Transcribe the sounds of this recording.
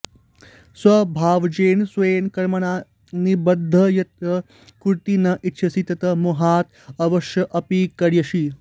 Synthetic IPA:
swɐbʱaːʋd͡ʒeːnsʋɐjenkɐɾmɐɳaː | nibɐd̪ʱːɐjɐt̪̚ɐ | kuɾt̪inɐʔit̪ːʃʰɐsit̪ɐt̪ɐmuɦaːt̪ | ɐʋɐʃjɐʔɐpikɐɾjɐʃi

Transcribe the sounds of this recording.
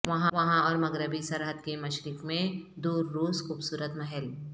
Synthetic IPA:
ʋɐɦãʋɐɦãɔːɾmɐɡɾəbisɐɾɦəd̪kemɐʃɾɪkmẽd̪uːɾːuːzxuːbsuːɾət̪mɐɦɛl

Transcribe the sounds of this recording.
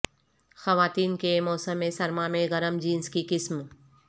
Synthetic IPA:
xɐʋaːt̪iːnkemɔːsəmːẽsɐɾmamẽɣɐɾəmd͡ʒiːnskikɪsm

